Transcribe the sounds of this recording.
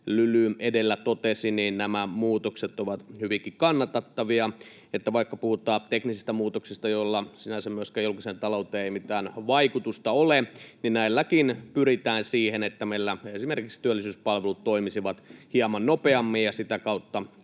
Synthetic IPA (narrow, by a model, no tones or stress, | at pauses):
lylyʔedelːæt̪ot̪esiniːnnæmæmuːt̪okset̪ːoʋɑt̪hyʋiŋkikɑnːɑt̪ɑt̪ːɑʋiɑ | et̪ːæʋɑikːɑpuhut̪ˑɑːt̪eknisist̪æmuːt̪oksist̪ɑjolːɑsinæsemyøskæjolkisent̪ɑlout̪eːeimit̪æːnʋɑikut̪ust̪ɑoleninnæˑilːækinpyɾit̪æːnsiːhenet̪ːæmeilːæesimerkikst̪yælːisyːspɑlʋelut̪toimisiʋɑt̪hiɑmɑnnopeɑmːijjɑsit̪ækɑut̪ːɑ